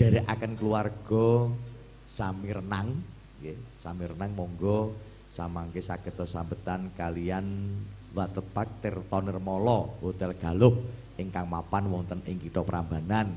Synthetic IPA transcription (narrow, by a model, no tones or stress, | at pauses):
d̥a̤ɾeʔa̰kənkəluarɡ̥ɔ̤ | samiɾənaŋ | kesamiɾənaŋmɔŋɡɔ | samaŋkesaɡ̥ət̪ɔsambət̪ankalijan | wat̪əb̥ak̚t̪ɪrt̪ɔnɪrmɔlɔhot̪ɛlɡ̥a̤lʊh | ʔɪŋkaŋmapanwɔŋt̪ənʔɪŋkiʈ̪ɔpəɾamba̤nan